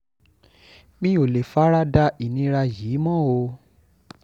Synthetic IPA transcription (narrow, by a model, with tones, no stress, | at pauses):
mĩ˦o˨le˨fa˨˦ɾa˦da˧i˨nĩ˧˦ɾa˧jiː˨˦mɔ̃˦˨o˧